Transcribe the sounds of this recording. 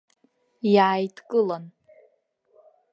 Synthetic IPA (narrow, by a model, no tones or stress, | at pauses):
jaːjtʰkʼɨlan